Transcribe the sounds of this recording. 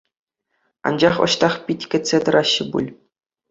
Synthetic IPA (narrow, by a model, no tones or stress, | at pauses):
ɑ̰nd͡ʑɑχŏ̰ɕt̪ɑχpʲitʲkʲɘ̆tʲt͡sʲːet̪ɤ̆ɾʔɑɕːɘ̆bṵlʲ